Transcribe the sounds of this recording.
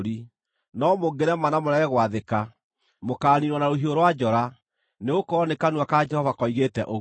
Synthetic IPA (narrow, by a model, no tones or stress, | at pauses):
ɾi | nɔmoɡeɾɛmanamoɾɛɣɛɣwaðeka | mokaːniɾwɔnaɾoɦioɾwad͡ʒɔɾa | neɣokɔnekanuwakad͡ʒɛhɔvakɔiɣetɛʔo